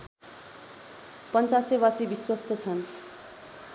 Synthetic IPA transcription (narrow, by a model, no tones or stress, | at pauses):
pʌnt͡sasebasibiswʌst̪ʰʌt͡sʰʌn